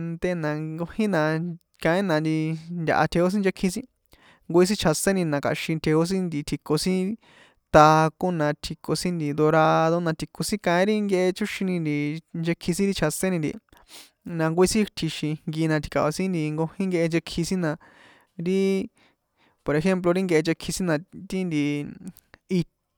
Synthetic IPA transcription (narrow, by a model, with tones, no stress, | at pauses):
nd̪e˧nã˧ŋɡo˧hĩ˦nã˧ | kã˧ĩ˦nã˧nd̪i˧nd̪ʲa̰˨ʔa̰˧t̪ʰe˧ho˦s̬ĩ˦nd͡ʒe˧kʰːĩ˧sĩ˦ | ŋɡo˧i˧s̬ĩ˦t͡ʃʰa˧sẽ˦nĩ˧nã˧ka̰˨ʃĩ˧t̪ʰe˧o˦s̬ĩ˦nd̪i˧t̪ʰi˧ko˧sĩ˦ | t̪aː˧kõ˦nã˧t̪ʰi˧ko˧sĩ˦nd̪i˨d̪o˧ɾa˧ðo˧nã˧t̪ʰi˨ko˧sĩ˦kã˧ĩ˦ɾi˦ŋɡe˧ʔe˧t͡ʃu˦ʃĩ˧nĩ˧nd̪i˧nd͡ʒe˧kʰːĩ˧sĩ˦ɾi˦t͡ʃʰa˧sẽ˦nĩ˧nd̪ḭ˨ | nã˧ŋɡʷi˧˦sĩ˦t̪ʰi˧ʃi˧ŋŋɡi˧nã˧t̪ʰi̥˨˧ka̰˨ʔo˧sĩ˦nd̪i˧ŋɡo˧hĩ˦ŋɡe˧ʔe˧nt͡ʃe˧kʰːi˧sĩ˦nã˧ | ɾi˦ | po˨ɾe˧xe˦mp̬lo˧ɾi˦ŋɡe˧ʔe˧t͡ʃe˧kʰːi˧sĩ˦nã˧t̪i˦nd̪i˧ | i˧